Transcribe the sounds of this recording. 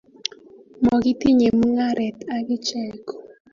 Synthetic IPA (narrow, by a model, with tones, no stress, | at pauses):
mɔ˨ɡɪ˦ti˦ɲe˨mu˦ŋa˦ɾɛ˨ta˨ɡɪ˦t͡ʃɛ˦kɔ̥˨